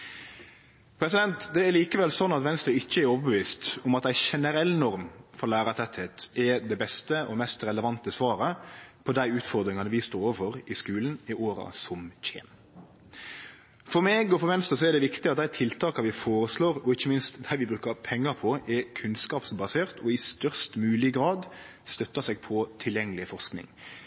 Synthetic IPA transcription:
pʰɾɛsɪd̪ɛnt̪d̪ɛæɾliːkəʋɛlsɔnːɑt̪ʋɛnst̪ɾəɪçːəɛɾoːʋəbəʋiːst̪ʊmɑt̪d̪æɪʃɛnəɾɛlːnɔɾmfɔɾlæːɾɑt̪ʰɛt̪ʰeːt̪ɛd̪ɛbɛst̪əʔɔmɛst̪ɾɛləʋɑnt̪əsʋɑːɾəpʰɔd̪æɪʉːt̪fɔɾd̪ɾɪŋɑnəʋɪst̪oːɾoːʋəfɔɾɪskʉːln̩ɪʔoːɾɑ̰sɔmc͡çḛːn | fɔɾmeːɡɔfɔɾʋɛnst̪əsɔɛɾd̪ɛʋɪkt̪ɪɑt̪̚d̪æɪt̪ʰɪlt̪ʰɑːkɑʋɪfoːɾəsloːɾɔɪçːəmɪnst̪d̪æɪʋɪbɾʉːkəɾpʰɛŋːɑpʰɔʔɛkʰʉnskɑːpsbɑseːʁt̪ʰɔɪst̪œʁst̪mʉːlɪɡɾɑːd̪ | st̪œt̪ːəsɛɡ̚pʰɔt̪ʰɪljɛŋːəlɪfɔʁsknɪ̰ŋ

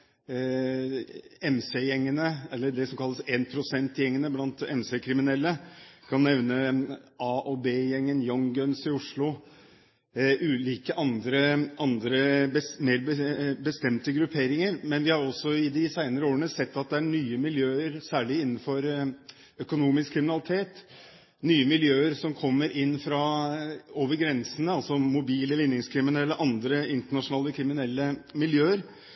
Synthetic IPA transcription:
ɛmsejɛŋːənəɛlːəɖɛsɔmkʰɑlːəseːnpʰɾʊsɛnt̪jɛŋːənəblɑnt̪ɛ̰msekʰɾɪmɪnɛlːəkʰɑnːɛʋnəʔɑʔoːbeːjɛŋːənjɔŋɡœnsɪʊʂɭʊ | ʔʉːliːkəʔɑnd̪ɾəʔɑnd̪ɾəbəmeːɾbəbəst̪ɛmt̪əɡɾʉpʰeːɾɪŋəɾmɛnʋɪhɑɾɔsːɔɪd̪ɪsæɪnəɾəoːɾəɳəsɛt̪ːɑt̪̚d̪ɛæɳyːəmɪljøːəɾsæːɭɪɪnːn̩fɔɾ | œkʊnuːmɪskʰːɾɪmɪnɑlɪt̪ʰeːt̪ | nyːəmɪljøːəɾsɔmkʰɔmːəɾʔɪnːfɾɑ | oːʋəɾɡɾɛnsənəɑlsɔmʊbiːləlɪnjɪŋskʰɾɪmɪnɛlːəʔɑnd̪ɾəɪnt̪əɳɑʂʊnɑːləkʰɾɪmɪnɛlːəmɪljøːəɾ

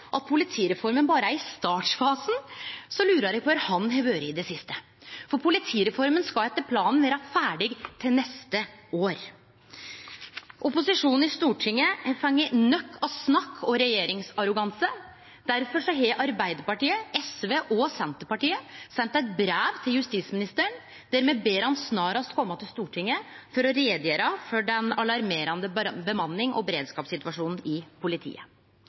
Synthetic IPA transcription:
ʔɑt̪̚pʰʊlɪt̪ʰiːɾɛfɔɾmənbɑːɾəæɾɪst̪ɑːʈsfɑːsn̩sɔlʉːɾəɾæɡ̚pʰɔʋæɾhɑnɦɛʋøːɾəɪd̪ɛsɪst̪ə | fɔɾpʰʊlɪt̪ʰiːɾɛfɔɾmənskɑɛt̪ːəɾpʰlɑːnn̩ʋæːɾɑfæːɖɪɡt̪ʰɪlnɛst̪əoːɾ | ʔɔpʊsɪʂuːnn̩ɪst̪uːʈʰɪŋːəhfɑŋːənœkʰːɑsnɑkʰːɔɾɛjeːɾɪŋsɑɾʊɡɑnsə | d̪̥æɾfɔʂɔɦeːʔɑɾbæɪd̪əɾpɑʈiːəʔɛsʋeːʔɔsɛnt̪əpɑʈiːəsɛnt̪æɪt̪̚bɾæːʋt̪ʰɪljʉst̪iːt̪smɪnɪst̪əɳ | d̪̥æɾmeːbeːɾhɑnsnɑːɾɑst̪̚kʰɔmːɑt̪ʰɪlst̪uːʈʰɪŋːəfɔɾɔɾeːd̪jeːɾɑfɔɖɛnɑlɑɾmeːɾɑnd̪əbəmɑnːɪŋʔɔ̰bɛɾeːd̪skɑːpsɪt̪ʋɑʂuːnn̩ɪpʰʊlɪt̪ʰḭːə

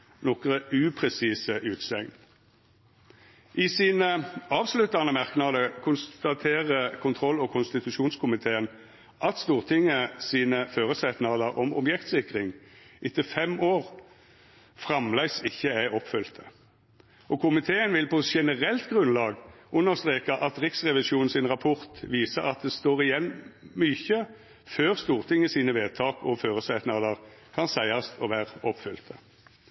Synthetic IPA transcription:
nɔkʁəʉːpʰʁɛsiːsəʔʉːt̪sɛŋn | ʔɪsiːnəɑːʋslʉt̪ɑnəmɑʁknɑd̪əkʰʊnst̪ɑt̪ʰeːʁəkʰʊnt̪ʰʁɔlːɔkʰʊnst̪ɪt̪ʉʂuːnskʰʊmɪt̪ʰeːən | ʔɑt̪st̪uːʁt̪ʰɪŋəsiːnəføːʁəsɛt̪nɑləʁʔɔmɔ̰bjɛkt̪sɪkʁɪŋʔɪt̪əfɛmʔoːʁ | fʁɑmlæɪsɪçːəæɔpfʏlt̪ʰə | ʔɔkʰʊmɪt̪ʰeːənʋɪlpɔʃɛnəʁɛlt̪ɡʁʉnlɑːɡ | ʔʉnːəʁst̪ʁeːkɑʔɑt̪ʁɪksʁɛʋɪʃuːnn̩sɪnʁɑpʰɔʁt̪ʋiːsəɑt̪̚d̪ɛst̪oːʁɪjɛnːmyːçə | føːʁst̪uːʁt̪ʰɪŋəsiːnəʋeːd̪t̪ʰɑːkʰɔføːʁəsæt̪nɑləʁkʰɑnsæɪɑst̪ʰɔʋæːʁɔpfʏlt̪ʰə

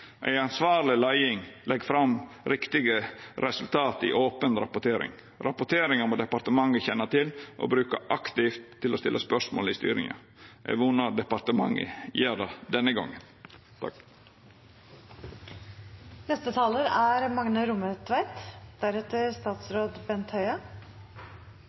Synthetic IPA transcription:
ʔæ̰ɪɑnsʋɑːɾlɪlæɪɪŋlʔɛɡfɾɑm | ɾɪkt̪ɪɡəɾɛsʉlt̪ʰɑːt̪ɪ̰ʔoːpənɾɑpʊʈ̪ʰeːɾɪ̰ŋ | ɾɑpʊʈ̪ʰeːɾɪŋəmoːd̪ɛpɑɾt̪əmɑŋːəçɛnːɑt̪ʰɪlʔo̰ːbɾʉːkə̰ʔɑkt̪ɪft̪ʰːɪlost̪ɪlʔəspœʂmo̰ːlɪst̪y̰ːɾɪ̰ŋɑ̰ | ʔɛ̰ʋunɑɖ̪ɛpɑɾt̪əmɑŋːə̰jeːɖ̪ɑd̪ɛnːəɡɔ̰ŋːən | t̪ʰɑ̰ | nɛst̪ət̪ʰɑːləɾæɾmɑŋnəɾʊmət̪ʰʋæɪt̪d̪̥æɾɛt̪əɾst̪ɑːt̪sɾoːd̪bɛnt̪hœʏɑ

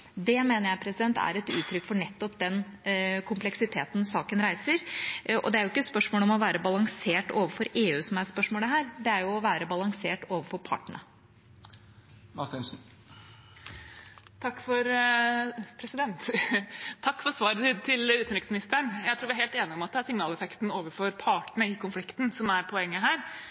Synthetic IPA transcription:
d̪ɛmeːnəɾjæɪpʰɾɛsɪd̪ɛnt̪æ̰ɾɛt̪ʉ̰ːt̪ʰɾʏkːfɔɳɛt̪ːɔpd̪ɛnkʰʊmplɛksɪt̪ʰeːt̪n̩sɑːkənɾæɪsəɾʔɔ̰d̪ɛæɾjʊɪkːəspœʂmoːləɔmɔʋæːɾəbɑlɑŋseːʈoːʋəfɔɾeːʉːsɔmæɾspœʂmoːləɦæːɾd̪ɛæɾjʊɔʋæːɾəbɑlɑŋseːʈoːʋəfɔɾpʰɑ̰ʈːəɳə̰ | mɑɾt̪ɪnsn̩ | t̪ʰɑkːfɔɾ | pʰɾɛsɪd̪ɛnt̪ | t̪ʰɑkːfɔɾsʋɑːɾəɪt̪ʰɪlʉːt̪n̩ɾɪksmɪnɪst̪əɳjæɪt̪ɾuːʋɪæɾheːlt̪eːnɪɔmɑt̪̚d̪ɛæsɪŋnɑːlɛfɛkt̪n̩oːʋəɾfɔɾpʰɑʈəɳəɪkʰʊnflɪkt̪n̩sɔmæɾpʰɔɛŋːəɦæːɾ

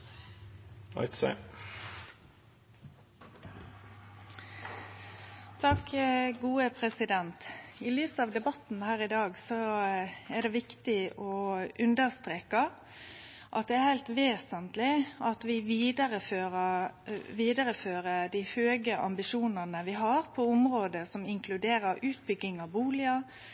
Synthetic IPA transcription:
ɑ̰ɪt̪sḛ | t̪ʰɑkɡuːəpʰɾɛsɪd̪ɛnt̪ɪlyːsɑʋd̪ɛbɑt̪n̩hæːɾɪd̪ɑːɡsɔ | æʁd̪ɛʋɪkt̪ɪɔʉnd̪əɾst̪ɾeːkɑ | ʔɑt̪̚d̪ɛæɾhæɪlt̪ʋeːsənt̪lɪʔɑt̪ʋɪʋiːd̪əɾəføːʁəʋiːd̪əɾəføːɾəd̪iːhøːɡəʔɑ̰mbɪʃuːnəʁnəʋɪɦɑɾpʰɔʊmʁoːd̪əsɔmɪŋkʰlʉd̪eːɾəɾʉːt̪̚bʏɡːɪŋɑʋbuːlɪə

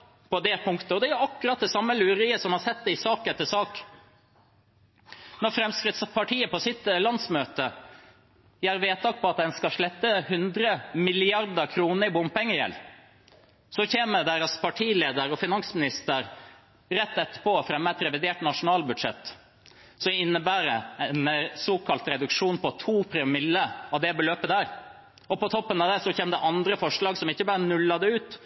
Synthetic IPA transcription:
pɔd̪ɛpʰʊŋkt̪əɔd̪ɛæjʉɑkːʉɾɑt̪̚d̪ɛsɑmːəlʉːɾɪːəsɔmhɑɾsɛt̪̚d̪ɛɪsɑːkɛt̪ːəsɑːk | nɔɾfɾɛmskɾɪt̪spʰɑʈʰiːəpɔsɪt̪lɑnsmøːt̪ə | jæːɾʋeːt̪ʰːɑːk̚pʰɔɑt̪̚d̪ɛnskɑʂlɛt̪ːəhʉnd̪ɾəmɪlɪɑɾd̪əkʰɾuːnəɾɪbʊmpɛŋːəjɛ̰lː | sɔçeːməd̪æːɾɑspʰɑʈʰiːleːd̪əɾɔfɪnɑŋsmɪnɪst̪əɾ | ɾɛt̪ːɛt̪ːə̥pɔfɾɛmːəɛt̪ɾɛʋɪd̪eːʈnɑʂʊnɑːlbʉd̪ʂɛ̰t̪ː | sɔmɪnːəbæːɾəɛnsoːkʰɑlt̪ɾɛd̪ʉkʂuːnpɔt̪ʰuːpʰɾɪmɪlːəɑʋd̪ɛbəløːpəd̪æːɾ | ɔpɔt̪ʰɔpːənɑʋd̪ɛsɔçeːmd̪ɛʔɑnd̪ɾəfɔʂlɑːɡsɔmɪçːəbɑːɾənʉlːɑd̪ɛʉːt̪

